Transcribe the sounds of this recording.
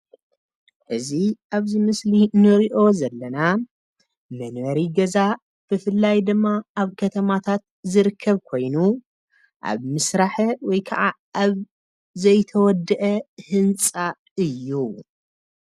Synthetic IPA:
ʔɨziʔaβzɨmɨslinɨɾiʔo̞zɐlːɐna | mɐnwɐɾiɡɐza | b̥ɨfɨlːajd̪ɨmːaaβkʰɐt̪ʰɐmat̪ʰat̪̚ | zɨɾɨkʰːɐβkʰo̞jnu | ʔa̰βmɨsɾaħɐwɔjkʰɐʔa | ʔaβ | zɐjt̪ʰɐwɔd̪ɨʔɐhɨnt͡sʼa | ɨjːu

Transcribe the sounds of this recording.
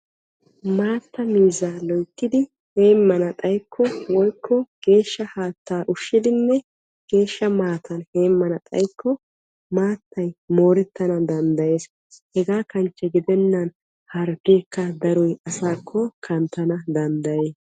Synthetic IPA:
maːt̪ːɐmiːzaːlɔjkːɪd̪ɪ | he̞ːmːɐnɐt̪ʼɐjkʰːɔwɔjkʰːɔɡ̥e̞ːʃːɐhaːt̪ːaːʔʊʃːɪd̪ɪnːɛ | ɡ̥e̞ːʃːɐmaːt̪ʰɐnhe̞ːmːɐnɐt̪ʼɐ̰jkːɔ | maːt̪ʰːɐjmo̞ːɾɛt̪ːɐnɐd̪ɐnd̪ɐje̞ːs | hɛɡaːkɐnt͡ʃːɛɡɪd̪ɛnːɐn | hɐɾɡe̞ːkːɐd̪ɐɾɔjɐsaːkʰːɔkʰɐnt̪ːɐnɐd̪ɐnd̪ɐjeː

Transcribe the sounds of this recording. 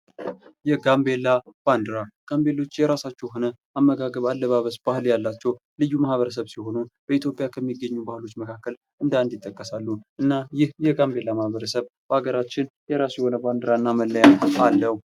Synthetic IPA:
jɛɡambe̞lːab̥and̪ɨɾaɡ̥ambe̞lo̞t͡ʃːjɛɾasat͡ʃːɛwɦo̞nə | ʔamːəɡaɡəβalːəβaβəsb̥ahɨljalːat͡ʃːɛw | lɨjːumahβəɾəs̬əβsiho̞nub̥əit̪jo̞pʼjakʰəmːiɡəɲːubahɨlo̞t͡ʃːməkʰakːəl | ʔɨnd̪and̪ɪt̪ʼːəkʼːəsalːuʔɨnːajɪhjɛɡambe̞lːamahβəɾəsəβbaɡəɾat͡ʃːɪnjɛɾasjɛho̞nəband̪ɾaɨnːaməlːəjaalːəhu

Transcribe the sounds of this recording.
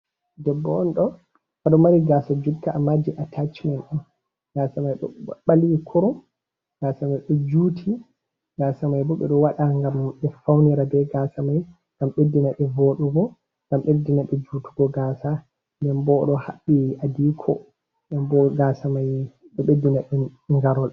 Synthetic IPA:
dɛbːɔɔnɗɔ | aɗɔmaɾiɡaːsad͡ʒutːaʔamːad͡ʒiʔatʰat͡ʃmanɗun | ɡasamajɗɔ̰ɓaliwikʰɔɾɔm | ɡ̥aːsamajɗɔd͡ʒuːtʰi | ɡaːsamajbɔɓɛ̰ɗɔwaɗaŋɡamɓɛfawniɾabɛɡasamaj | ŋɡamɓedːinaɓɛvoɗuɡɔ | ŋɡamɓedinaɓɛd͡ʒuːtu̥ɡɔɡaːsa | ndɛnbɔɗɔhaɓːiʔadiːkʰɔ̰ | ɛnbɔɡasamaj | ɗɛɓedːinaɓɛŋɡaɾɔl

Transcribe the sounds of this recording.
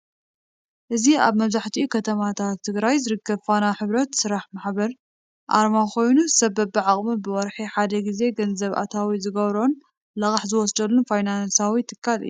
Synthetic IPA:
ʔɨziaβmɐβzaħt̪ʰiukʰɐt̪ʰɐmat̪ʰat̪ʰːɨɡɾajzɨɾɨkʰːɐβfanaħɨβɾɐt̪sɨɾaħmaħbɐɾ | ʔa̰ɾmakʰo̞jnuzɨsɐbɐbɨʕaχʼmɨbɨwɔɾħiħad̪ɐɡize̞ɡɐnzɐβʔa̰t̪ʰawizɨɡɐβɾo̞n | lɐkʼaħzɨwɔsd̪ɐlːunfajnansawit̪ʰɨkʰːalɨ̰jːu

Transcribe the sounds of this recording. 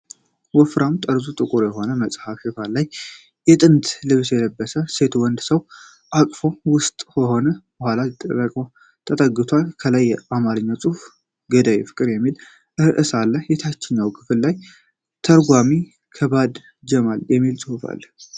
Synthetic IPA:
wɔfɾamt̪ʼəɾzut̪ʼɨkʼuɾjɛɦo̞nəməsʼhafifalaj | jɛt̪ʼɨnt̪ʰlɨβɨsjɛləbːəsəse̞t̪wɔnd̪səw | ʔakʼfowʊst̪ʼkəho̞nəb̥əhʷalat̪ʼːə̰rəkʼə | t̪ʰət̪ʼəɡːɨt̪ʰwalkʰəlajːɛamaɾɨɲːawsʼuf | ɡəd̪ajɛfɨ̥kʼːɨɾjɛmːil | ʔɨhɨʔɨsalːəhjɛt̪ʰat͡ʃːɪɲːawkʰɨfɨlːaj | t̪ʰəɾɡʷami | kʰəbad̪ | d͡ʒɛmaljɛmːilsʼɨhufa̰lː

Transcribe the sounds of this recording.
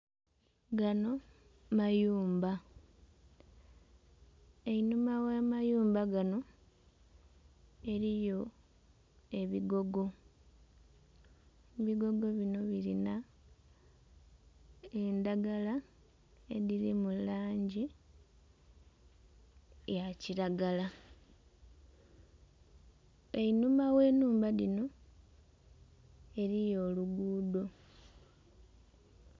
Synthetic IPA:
ɡano̞ | majuːmba | e̞inumawamajuːmbaɡano̞ | e̞ɾijo̞ | e̞βiɡo̞ɡo̞ | βiɡo̞ɡo̞βino̞βilina | e̞ndaɡala | ḛðiɾimulaːɲɟi | jaciɾaɡala | einumawe̞ːnuːmbalino̞ | e̞ɾijo̞ːluɡuːdo̞

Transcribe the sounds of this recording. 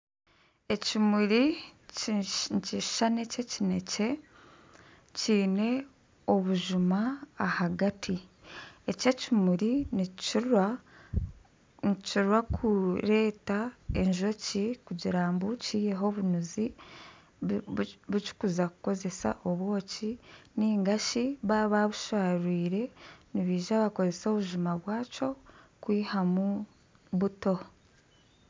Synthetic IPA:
e̞cimuɾi | nci̥ʃane̞ce̞cine̞ce̞ | ciːne̞ | o̞βuʒumaːhaɡatʰi | e̞ce̞cimuɾin | iciɾwakʰuɾe̞ːtae̞ɲʒo̞cikuɟiɾaːmbuciːje̞ɦo̞βunuzi | βuci̥kuzakuko̞ze̞sa̰ʔo̞βwo̞ːciniːŋɡaʃiβaβaβuʃaːɾwiːɾe̞niβiːʒaːβako̞ze̞so̞ːβuʒumaβwaːt͡ʃo̞kwiːhamu | βuto̞

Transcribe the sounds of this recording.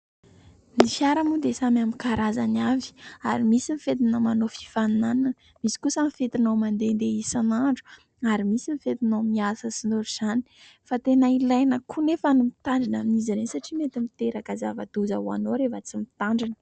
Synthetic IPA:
nifjaɾamud̪esamamikaɾazanavi̥a̰ɾimisinifet̪inəmanofi̥fanunanin | misi̥kusamifet̪inawmand̪end̪eisanaɳɖ͡ʐu̥ | aɾimisimifet̪inomiasəsinoɾuz̥ani̥ | fat̪enailajnəkʰunefanumit̪aɳɖ͡ʐinaminizaɾensaʈ͡ʂimet̪imit̪eɾakazavad̪̥uza̰ua̰noɾevət͡simit̪aɳɖ͡ʐinə̥

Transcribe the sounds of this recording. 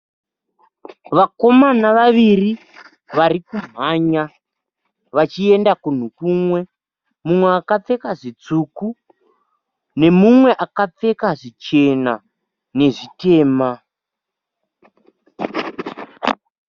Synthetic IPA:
ʋako̞manaʋaʋiri | ʋarikum̤aɲa | ʋat͡ʃie̞ndakun̤ukuːmwe̞ | mumwe̞akap͡fe̞kaʐit͡suku | ne̞mumwe̞ʔakap͡fe̞kaʐit͡ʃe̞na | ne̞ʐite̞ːma

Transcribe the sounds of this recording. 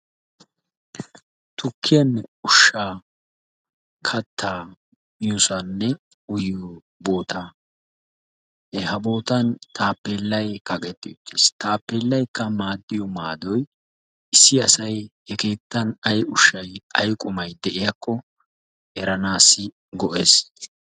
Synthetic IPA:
t̪ʰʊkːɪjɐnʊʃːaː | kʰɐt̪ːaː | jʊsɐnːɛ | ʊjɔ | bo̞ːt̪a | ɛhɐbo̞ːt̪ɐnt̪ʰaːpːeːlːɐjkɐkʼɛt̪ːɪʊt̪ːest̪aːpːeːlːɐjkːɐmaːd̪ːɪjɔmaːd̪ɔj | ɪsːɪɐsɐjhɛke̞ːt̪ːɐnɐjʊʃːɐjɐjkʼʊmɐjd̪ɛʔɪjɐkʰːɔ | ɛɾɐnaːsːɪ | ɡɔʔe̞ːs

